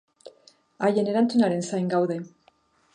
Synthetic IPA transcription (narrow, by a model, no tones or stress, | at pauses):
aje̞ne̞ɾant͡sunaɾe̞nsajŋɡawðe̞